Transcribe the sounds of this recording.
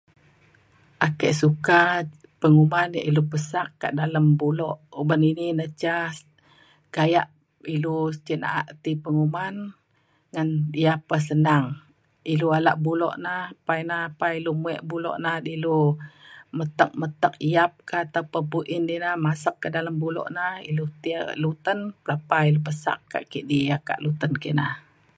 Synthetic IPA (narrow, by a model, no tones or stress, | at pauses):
ʔakəʔsuka | pəŋumanjaʔilupəsakːa̰ʔdaləmbulɔʔubənininat͡ʃa | kajaʔ | ilut͡ʃəna̰ʔaʔt̪ipəŋuman | ŋanijapːas̬ənaŋ | iluala̰ʔbulɔ̰ʔnapajnahpailumuɛ̰ʔbulɔ̰ʔnahdilu | mət̪ək̚mət̪ək̚ijap̚kat̪aupəpuʔɪndinahmasəkːədaləmbulɔ̰ʔnahilut̪ia̰ʔlut̪ənpəlapailup̬əsa̰kkːa̰ʔkiʔdiaka̰ʔlut̪ənkiʔnah